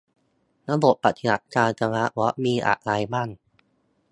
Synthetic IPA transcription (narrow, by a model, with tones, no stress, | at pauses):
na˦˥bo˨˩t̪̚pa˨˩t̪̚ʰi˧na˨˩t̪̚kaː˧nt͡ɕa˧ŋa˦˥ʔwɔ˦˥ʔ̚miː˧ʔa̰˨˩ʔla˧jma˥˩n